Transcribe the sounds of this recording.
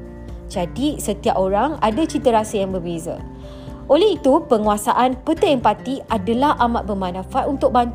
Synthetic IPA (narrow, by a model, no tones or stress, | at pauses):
d͡ʒadisət̪iap̚oɾaŋa̰dat͡ʃit̪əɾasəjaŋbərbeza̰ | olɛit̪upəŋuasaʔanpət̪əɪŋpat̪iadalahʔamat̪̚bəmãnãfat̪unt̪ʊk̚bant̪